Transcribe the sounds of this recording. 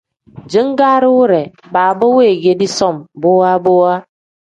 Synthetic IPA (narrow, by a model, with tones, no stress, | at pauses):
d͡ʒɨ˦ŋ˦ɡa˦ɾu˦ɾe˨ba˨bə˦we˦˨ɡe˨di˦sɔ˦˨mbo˦wa˦bo˦wa˦